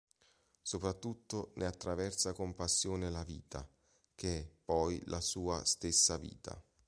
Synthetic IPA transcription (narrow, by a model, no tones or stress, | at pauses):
sopɾat̪ːut̪ːonʔeat̪ːɾavɛrt̪sakompasːjoːnelavḭːt̪a̰ | k̟eɛpːɔjlʔasuːa̰st̪esːavḭːt̪a̰